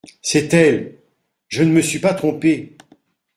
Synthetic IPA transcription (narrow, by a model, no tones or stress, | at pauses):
sɛt̪ɛl | ʒənəməsɥipat̪χɔ̃pe